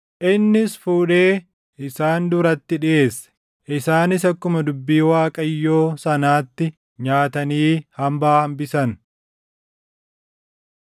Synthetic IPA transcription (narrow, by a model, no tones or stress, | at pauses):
ʔɪnːɪsfuːᶑe̞ː | ʔɪsaːnd̪ʊɾɐt̪ːɪᶑɪʔe̞ːsːɛ̥ | ʔɪsaːnɪsɐkːʊmɐd̪ʊbːiːwaːkʼɐjːo̞ːsɐnaːt̪ːɪ | ɲaːt̪ɐniːhɐmbaːhɐmbɪsɐn